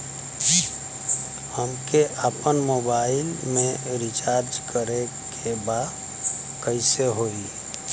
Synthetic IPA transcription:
həmkeʔaːpənmoːbaːɪlmẽɾɪt͡ʃaːɾd͡ʒkʰəɾe | kʰebaːd̪ | kəɪseɦoːiː

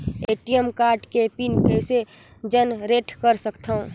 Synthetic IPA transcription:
eːʈijəmkaːɾʈkepinkɛse | d͡ʒənɾeːʈʰkəɾsəkt̪ʰaũ

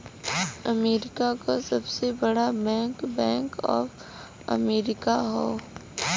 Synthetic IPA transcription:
ɐmeːɾɪkakasɐbsebɐɽabɛ̃ːŋkbɛ̃ːŋkɔ̰ːf | ɐ̰meːɾɪkaɦoː

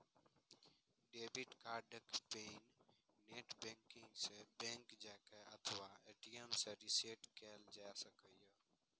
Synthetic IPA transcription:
ɖeːbiʈkaːɖəkpeːnː | eːʈbẽːŋkɪ̃ŋɡseːbẽːŋkd͡ʒɛːkʰɛːət̪ʰʋaːeːʈiːəmseːɾiseːʈkeːld͡ʒaːsəkəjəː

